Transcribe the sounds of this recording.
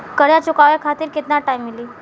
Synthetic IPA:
kəɾjat͡ɕukaʋjakʰat̪iːɾket̪naʈajmːiliː

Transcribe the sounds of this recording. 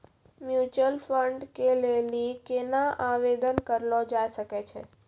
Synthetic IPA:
mjut͡ʃəlfəɳɖkelelikenãʔaʋed̪ənkəɾlod͡ʒajʃəket͡ʃʰḛ

